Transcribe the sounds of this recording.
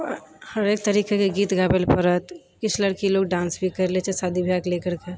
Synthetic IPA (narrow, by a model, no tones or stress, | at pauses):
həɾeːk̚t̪əɾiːkekeɡiːt̪ɡaːbelpəɾət̪ | kɪt͡ʃʰlɐɽkiloːɡɖãːnsbʱikɐɾlet͡ʃesaːd̪ʱibʱjaːkleːkəɾke